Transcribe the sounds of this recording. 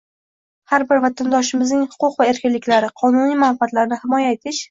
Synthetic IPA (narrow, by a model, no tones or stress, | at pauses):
haɾbɪɾvat̪ʰand̪ɒʃɪmɪznɪŋhʊ̥qʊqvae̞ɾkʲɪnlːɪkʲlaɾɪqʰɒnʊnijmanfɪat̪laɾnɪhɪmɒjaet̪ʰɪʃ